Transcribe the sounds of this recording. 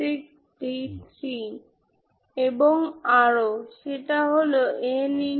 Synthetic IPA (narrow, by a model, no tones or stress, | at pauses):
ik̚ | ʈisi | eboŋaɾoʃeʈaɦoloʔeni